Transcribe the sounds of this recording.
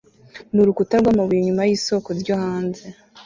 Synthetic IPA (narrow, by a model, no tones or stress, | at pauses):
nuɾukutaɾɡwaːmaβujoɲumajiːso̞koɾɟohaːnze̞